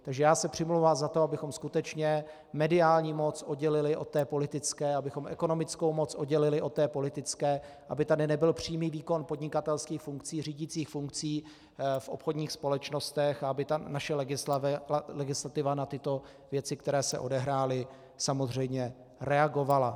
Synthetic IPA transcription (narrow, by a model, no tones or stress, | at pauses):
t̪aɡʒɛjaːsɛpr̥ɪmluwvaːmzat̪oabɪxo̞mskut̪ɛt͡ʃɲɛ | mɛdɪaːlɲiːmo̞t͡sʔodɟɛlɪlɪʔo̞t̪ːɛːpo̞lɪt̪ɪt͡skɛːabɪxo̞mʔɛ̰ko̞no̞mɪt͡sko̞wmo̞t͡sʔodɟɛlɪlɪʔo̞t̪ːɛːpo̞lɪt̪ɪt͡skɛː | ʔa̰bɪt̪adɪnɛbɪlpr̝̥iːmiːviːko̞npod̚ɲɪkat̪ɛlskiːxfuŋk̚t͡siːriːɟɪt͡siːxfuŋk̚t͡siː | fʔo̞̰pxo̞dɲiːxspo̞lɛt͡ʃno̞st̪ɛxaabɪt̪anaʃɛlɡɪ | lɛɡɪslat̪ɪvanat̪ɪt̪o̞ | vjɛt͡sɪk̚t̪ɛɾɛːsɛ̰ʔo̞dɛɦɾaːlɪ | samo̞zr̝ɛjmɲɛ | ɾɛaɡo̞vala